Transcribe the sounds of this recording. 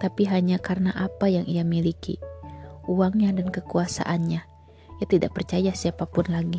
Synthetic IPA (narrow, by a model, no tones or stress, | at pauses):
t̪apiɦaɲakarnaʔapajaŋʔijamilikḭ | uaŋɲadankəkuasa̰ʔanɲa | ijat̪ida̰ʔ̚pərt͡ʃajasiapapʊnlaɡi